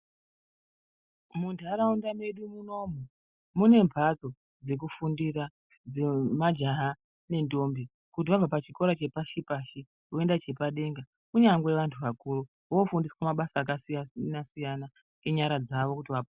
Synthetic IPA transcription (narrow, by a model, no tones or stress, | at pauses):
mundʰʱaɾaundame̞ɗumuno̞mu | mune̞mpat͡so̞ | d͡ze̞k̬ufundiɾa | d͡zemad͡ʒaɦa | ne̞ndo̞mbi | kutiʋavapat͡ʃiko̞ɾat͡ʃe̞paʃipaʃi | oe̞ndat͡ʃe̞paɗe̞ŋɡa | kuɲaŋɡe̞ʋantʰuʋakuru | wofundiswamaɓasaːkasianasijana | eɲaɾad͡zaʋo̞kutiʋap